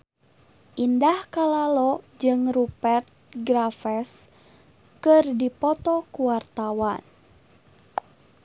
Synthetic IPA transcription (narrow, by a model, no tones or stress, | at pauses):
ʔindahkalalɔd͡ʒɨŋrupɛrt̪̚ɡɾafɛs | kɨrdipɔt̪ɔkuwart̪awan